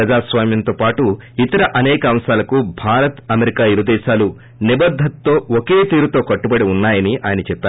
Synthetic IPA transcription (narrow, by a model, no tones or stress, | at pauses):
ɾɐd͡ʒaːsʋaːmjɐnt̪o̞ːpaːʈu | it̪ɐɾɐʔɐnɛːkɐɐmsaːlɐkuːbʱaːɾɐt̪ɐmeɾikaːiɾud̪ɛːʃaːlu | nibɐd̪ʱːɐt̪ːo̞ːokeːt̪iːɾut̪o̞ːkɐʈːubɐɽiunːaːjɐniaːjɐnɐt͡ʃɛpːaː